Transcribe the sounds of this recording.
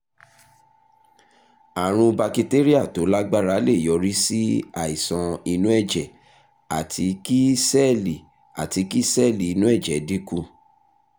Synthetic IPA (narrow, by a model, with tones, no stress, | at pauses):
a˨ɾ̃ũ˧ba˧ki˧te˦ɾi˦a˦˨to˨˦la˦ɡ͡ba˦˨ɾa˨˦le˦˨jɔ˨˦ɾi˦si˦a˦˨i˨sɔ̃˧i˧nũ˦ɛ˦˨d͡ʒɛ˨ | a̰˨tʰi˧ki˦sɛ˦li˨ | a̰˨ti˧ki˦sɛ˦˨li˨i˧nũ˦ɛ˦˨d͡ʒɛ˨di˦kũ˦˧˨